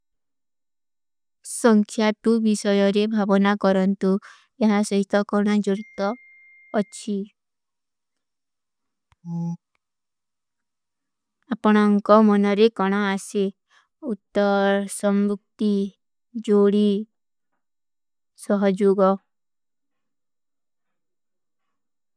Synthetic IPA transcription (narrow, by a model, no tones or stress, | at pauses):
sɔŋkʰjat̪ubisɔjɔɾebʱabɔnakɔɾɔnt̪u | jʌɦasɔɦit̪ɔkɔɽ̃ad͡ʒoɽit̪ɔː | ʃʰi | apɔɽ̃ɔŋkɔmɔnɔɾekɔɽ̃aase | ut̪ːɔɾsɔmbuk̚t̪i | d͡ʒoɽi | sɔɦɔd͡ʒoɡɔ